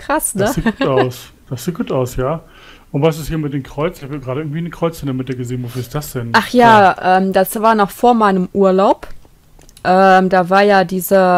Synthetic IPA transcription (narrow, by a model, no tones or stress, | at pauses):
kʁ̥asnəsiːt̚ɡuːtaʊs | d̥asz̥iːt̚ɡ̥uːtaʊsjaː | ʔʊntv̥as̬ɪshiːɐmɪt̚d̥eːmkʁ̥ɔʏt͡sɪçhabjaːɡʁaːɾəʔɪɐɡŋ̩tv̥iːnəkʁ̥ɔʏt͡sɛnɐmɪt̚d̥iːɐɡəzeːnvoːfyɐɪst̚d̥asd̥ɛnʔaχjaːʔɛːmdasv̥aːɐnɔχfoːɐmaɪnəmʔuːɐlaʊp | ʔɛːmdaːvaːɐjaːdiːzə